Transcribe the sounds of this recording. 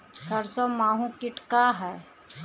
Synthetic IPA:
sɐɾsɔmaːɦũkɪʈkaɦɛː

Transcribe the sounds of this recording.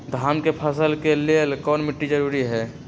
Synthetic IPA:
d̪ʱaːmkepʰəsəlkelelkɔːnmɪʈːid͡ʒəɾuɾiɦɛː

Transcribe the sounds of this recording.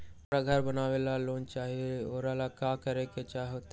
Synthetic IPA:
ɾaɡʱɐɾbənaːʋeːlaloːnt͡ʃaːɦieoːɾalakaːkɐɾeket͡ʃaːɦiɦot̪

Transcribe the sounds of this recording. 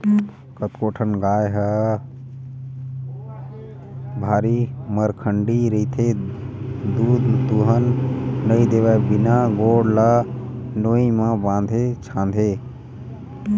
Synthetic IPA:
kət̪koːʈʰənɡaːjɦə | bʱaːɾiməɾkʰəɳɖiɾəit̪ʰe | d̪uːd̪t̪uɦənːəid̪eʋɛbinaɡoːɽlanoimãbãːnd̪ʱet͡ʃʰãːnd̪ʱe

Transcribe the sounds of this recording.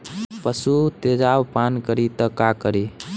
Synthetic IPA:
pəsut̪ed͡ʒawpankəɾit̪əkakəɾi

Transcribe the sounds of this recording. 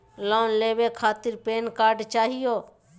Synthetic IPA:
loːnleːʋeːkʰaːt̪ɪɾpeːnkaːɾɖt͡ʃaːɦɪjoː

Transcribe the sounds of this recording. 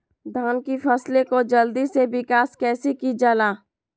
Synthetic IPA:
d̪ʱaːnkifʰɐslekod͡ʒɐld̪iseʋɪkaːskɛːsikid͡ʒalaː

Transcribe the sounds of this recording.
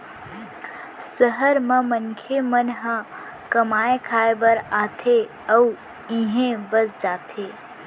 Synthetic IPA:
səɦəɾmə̃mənkʰemənɦã | kəmaːekʰaːebəɾaːt̪ʰe | əu | ĩɦẽbəsd͡ʒaːt̪ʰeː

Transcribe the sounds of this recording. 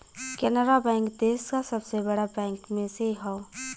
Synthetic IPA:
kɛnəɾabɛ̃ːŋkd̪eːskasɐbsebɐɽabɛ̃ːŋkmẽseɦɛo

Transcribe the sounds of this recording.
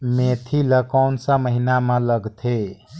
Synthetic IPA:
met̪ʰiləkaʊnsə̃məɦinamələɡt̪ʰe

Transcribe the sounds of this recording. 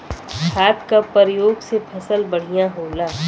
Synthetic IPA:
kʰaːt̪kapəɾjoːɡsepʰɐsəlbɐɽ̤ijãɦoːlaː

